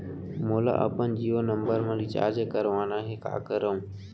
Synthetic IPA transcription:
moːla̰ːʔə̰pənd͡ʒiːoːnəmbəɾmãːliːt͡ʃa̰ːɾd͡ʒkəɾʋaːnãːɦeːka̰ːkəɾəũː

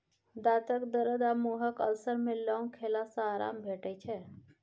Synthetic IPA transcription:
d̪at̪əkd̪əɾəd̪amuɦəkə̰lsəɾmelɔŋkʰelasə̃aɾa̰mbʱeʈəjt͡ʃʰɛ

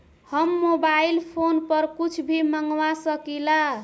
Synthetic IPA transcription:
hʌmːobailpʰonpʌɾkut͡ʃʰbʱiməŋɡwasʌkila

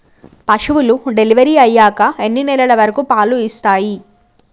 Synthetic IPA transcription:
pɐʂɐʋuluɖe̞liʋɐɾiːɐjːaːkɐe̞nːinɛlɐlɐʋɐɾɐkupaːluist̪aːji

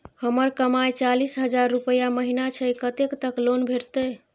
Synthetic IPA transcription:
həməɾkəmajt͡ʃalisɦəd͡ʒaɾːupəjaməɦinat͡ʃʰəjkət̪ekt̪əklonbʱeɾt̪əj

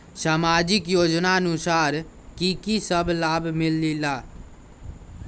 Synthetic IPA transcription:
saːmaːd͡ʒɪkjoːd͡ʒnaənʊsaːɾ | kikisəblaːbmɪlːilaː

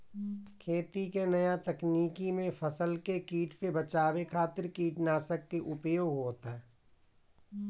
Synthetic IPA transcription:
kʰeːt̪ikenɐjat̪ɐkniːkimẽfʰəsəlkekiːʈsebət͡ʃaːwekʰaːt̪ɪɾkiːʈnaːsək̚keʔʊpjoːɡɦoːt̪aɦɛː

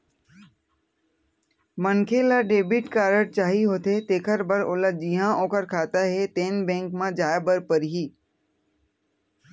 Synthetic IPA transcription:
mənkʰelaɖeːbɪʈkaːɾəɽt͡ʃaːɦiɦoːt̪et̪eːkʰəɾbəɾʊləd͡ʒiɦãʔõːkəɾkʰaːt̪aɦɛt̪eːnbɛ̃ːŋkmãd͡ʒaːbəɾpəɾɦiː

